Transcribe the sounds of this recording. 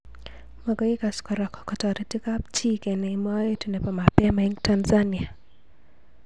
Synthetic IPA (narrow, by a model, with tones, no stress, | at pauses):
mɔɡɔ˦i˦ka˨skɔ˨ɾɔ˨kɔ̥˨kɔ˨tɔ˨ɾɛ˨ti˦ka˦pt͡ʃi˦ke˨ne˨i˨ma˦e˦tunɛ˨pɔ˨mapɛ˦mai˦ŋtanza˦ni˨a˨